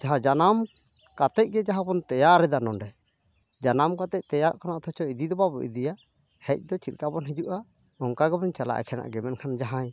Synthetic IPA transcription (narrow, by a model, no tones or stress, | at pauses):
d͡ʒaɦãd͡ʒanam | kat̪ɛc̚ɡɛd͡ʒaɦãbɔnt̪ɛjaɾɛd̪anɔnɖɛ | d͡ʒanamkat̪ɛc̚ˀt̪ɛjaɾʔkanaʔɔt̪ʰɔt͡ʃɔid̪id̪ɔbabɔ̰ʔḭd̪ija | hɛc̚ˀd̪ɔt͡ʃit̪̚kabɔnɦid͡ʒuʔa | ɔŋkaɡɛbɔɲt͡ʃala̰ʔɛ̰kʰɛna̰ʔɡɛmɛnkʰand͡ʒaɦãɲ